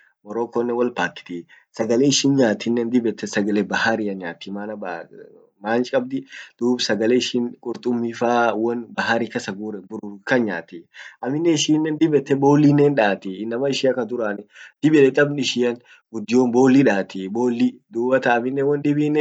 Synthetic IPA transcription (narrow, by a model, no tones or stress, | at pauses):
mɔɾoːkɔnːɛwɐlpaːkːɪ̥t̪i | sɐɡɐleɪʃɪːnɲaːt̪ːɪnːɛnd̪ɪbɛt̪ːɛsɐɡɐlebɐhaɾɪɐɲaːt̪ːɪmaːnɐba | maːnt͡ʃkʼɐbd̪ɪd̪̥uːbsɐɡɐleɪʃɪŋkʼʊɾt̪ʼʊmːifaːwɐnbɐɦaɾikɐsɐɡuːɾɛbʊɾʊkɐnɲaːt̪ɪʔɐmɪnːɛɪʃiːnːɛnd̪ɪbɛt̪ːɛboːlːiːnːenᶑaːt̪iːnːɐmɐɪʃɪɐkɐd̪ʊɾaːnɪd̪̥ɪbɪlɛt̪ʼɐbnɪʃɪjɐn | ɡʊd̪ːɪjonbo̞ːlːiᶑaːt̪iboːlːid̪uːbɐt̪ɐːmɪnːɛwɐnd̪ɪbinːɛ